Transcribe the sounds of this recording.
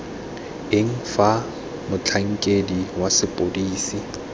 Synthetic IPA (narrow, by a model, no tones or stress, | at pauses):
ɪŋ̩fa | mʊt͡ɬʰaŋ̩kʼediwasɪpʼodiːsi